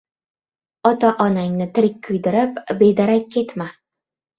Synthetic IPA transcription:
ɒt̪aʔɒnaŋnɪt̪ʰɪɾɪkʲːʰʊjd̪ɪɾɪpbe̞d̪aɾakʲʰːe̞t̪ma

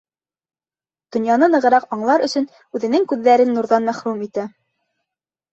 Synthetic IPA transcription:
d̪̥ŏnjɑnɤnɤ̆ʁɤ̆ɾɑqɑɴlˠɑɾɵ̆sɵ̆n | ʉðɘ̆nɘŋkʉðːæɾɘnːuɾðɑnmæχɾumit̪æ

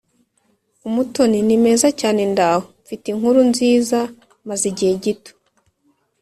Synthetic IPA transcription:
umuto̞ninime̞ːzacaːne̞ndahomfitiŋhuɾunziːza | maziɟiheɟito̥

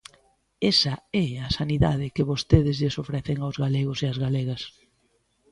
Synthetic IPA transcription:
esɐɛasaniða̰ðɪkɪβost̪eðɪzʎesofɾɛθɪŋawzɣaleɣoseazɣaleɣɐs

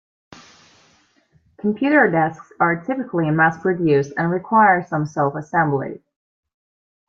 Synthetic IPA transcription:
kʰm̩pʰj̥ʉɾə˞dɛsksə˞tʰɪpɨkʰliɨmæskɹɨdjʉzdɨ̃nɹɨkʰw̥aɪə˞sʌ̃msolˠfəsɛ̃mblɪ̰d

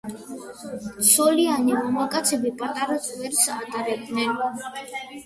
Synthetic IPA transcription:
t̪sʰɔlianimamakʼat̪sʰɛbipʼat̪ʼaɾazʼvɛɾsat̪ʼaɾɛb̚d̪nɛn

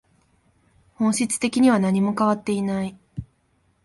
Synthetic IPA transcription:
hõɰ̃ɕit͡sɨ̥t̪e̞kʲiɲ̟iβ̞anaɲ̟imo̞kaβat̪ːe̞inai

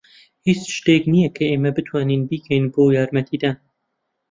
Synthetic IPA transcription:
hiːt͡sʃt̪eːknijɛkʰɐeːmɐbɨt̪ʰwɑːniːnbiːkʰɛjnboːjaːɾmɛt̪ʰiːd̪aːn

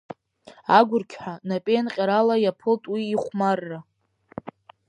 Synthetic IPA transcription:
aɡʷʊrkʲʰħʷᶣanapʼenqʲʼaɾalajapʰɨltʼwiːχʷmarːa

